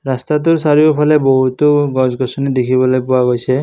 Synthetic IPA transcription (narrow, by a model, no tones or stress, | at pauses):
ɾast̪at̪̬ʊɹsaɾijopʰaleboɦut̪oɡɔzɡɔsɔnid̪ekʰibɔlojpʊaɡojsʰe